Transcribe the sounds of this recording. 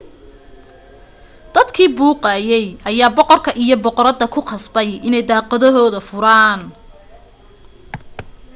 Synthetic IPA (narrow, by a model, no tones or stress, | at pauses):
d̪̥ɐd̪kʰiːbuːqɑːjɛjʔɐjaːbɔqɔrkʰɐʔijɞbɔqɔɾɐd̪ɐkʰʊqɑsbɛjʔɪnɛjd̪ɑːqɐðɔɦɔːðɐfʊɾaːn